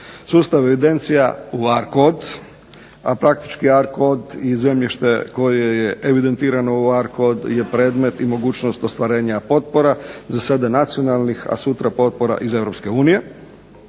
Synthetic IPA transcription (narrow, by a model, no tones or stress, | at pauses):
suːst̪aʋe̞ʋid̪e̞nt̪sija̰uaɾkod̪ | apɾak̚t̪i̥t͡ʃkiaɾkod̪ize̞mʎiʃt̪e̞ko̞jejeʔeʋid̪e̞nt̪iːɾano̞uaɾkod̪je̞pɾe̞ːd̪me̞t̪imo̞ɡuːt͡ɕno̞st̪o̞st̪ʋaɾe̞ːɲapo̞t̪̚po̞ɾazasad̪anat̪sijo̞nalˠnixa̰sut̪ɾapo̞t̪̚po̞ɾa̰ʔize̞ʋɾo̞pske̞uːnije̞